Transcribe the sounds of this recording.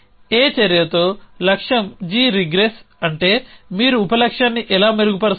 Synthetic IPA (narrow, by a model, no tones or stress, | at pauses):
eːt͡ʃɐɾjɐt̪o̞ːlɐkʂɐmd͡ʒiːɾiɡɾesɐɳʈe̞ːmiːɾuːpɐlɐkʂaːnːiʔɛlaːmeɾuɡupɐɾɐ